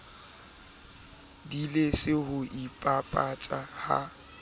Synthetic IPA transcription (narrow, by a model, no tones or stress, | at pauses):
dilesɪhʊʔipʼapʼat͡ʃʼaha̰